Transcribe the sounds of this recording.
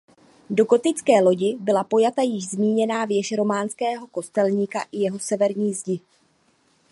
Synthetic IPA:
do̞ɡo̞t̪ɪt͡skɛːlo̞ɟɪbɪlapo̞jat̪ajɪʒzmiːɲɛnaːvjɛʃɾo̞maːnskɛːɦo̞ko̞st̪ɛlɲiːkaʔɪjɛɦosɛvɛɾɲiːzɟɪ

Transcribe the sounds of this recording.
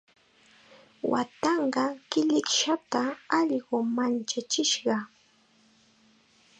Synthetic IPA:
wa̰t̪ɑɴɢɑkɪʎɪkʃat̪aɑʎɢomant͡ʃat͡ʃɪʃɢɑ

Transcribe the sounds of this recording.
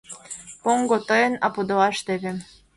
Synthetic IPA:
poŋɡot̪ɤjɤ̆nɑpud̪ŏɑʃt̪eβĕ

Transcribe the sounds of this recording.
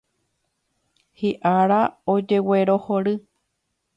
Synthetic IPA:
hiʔaɾaod͡ʒe̞weɾo̞hoɾɨ

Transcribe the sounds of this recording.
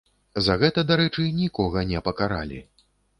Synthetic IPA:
zɐɣɛt̪ɐd̪aɾɛt͡ʂɨnʲikɔɣɐnʲɛpɐkaɾa̰lʲḭ

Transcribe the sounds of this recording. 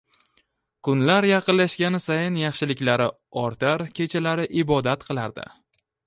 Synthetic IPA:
kʰʊnlaɾjɑqɨllaʃɡʲanɪsajɪnjɑχʃɪlɪkʲlaɾɪ | ɒɾt̪aɾkʲʰe̞t͡ʃʰalaɾɪʔɪbɒd̪at̪qʰɨlˠaɾd̪ɪ̰

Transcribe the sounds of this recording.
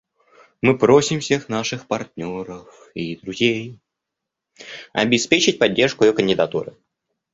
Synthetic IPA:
mɨpɾosʲɪmfsʲe̞xn̪aʂɨxpɐrt̪ʲnʲoɾəf | id̪ɾʊzʲej | ɐ̰bʲɪspʲet͡ɕɪt̚ʲpɐdʲːe̞rʂkʊɪjokənʲdʲɪd̪ɐt̪ṵɾɨ̰

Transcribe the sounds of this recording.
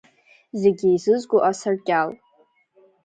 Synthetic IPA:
zeɡʲiːzɨzɡʷʼoʔasarkʲʼal

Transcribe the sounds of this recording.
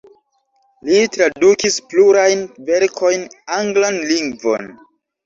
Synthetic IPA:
litɾadukispluɾajnve̞ɾkʰo̞jnaŋɡlanliŋɡvo̞̰n

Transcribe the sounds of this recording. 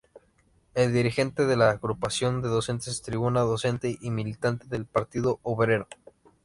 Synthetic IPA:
e̞ld̪iɾixe̞nt̪e̞ðe̞laːɣɾupasjo̞nd̪e̞ðo̞se̞nt̪est̪ɾiβunaðo̞se̞nt̪e̞ʔimilit̪ant̪e̞ðe̞lpaɾt̪iðo̞oβɾe̞ɾo

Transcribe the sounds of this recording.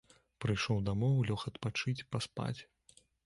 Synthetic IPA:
pɾɨjʂɔwd̪amɔwlʲɔxɐt̪pat͡ʂɨt͡sʲpaspa̰t͡sʲ

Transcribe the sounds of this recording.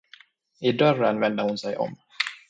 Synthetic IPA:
ɪd̪œrənvɛnd̪əhʊnsɛjɔ̰m

